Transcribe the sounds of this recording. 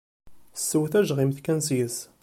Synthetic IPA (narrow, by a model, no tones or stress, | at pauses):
sːəwθæʒʁimθkænsjəs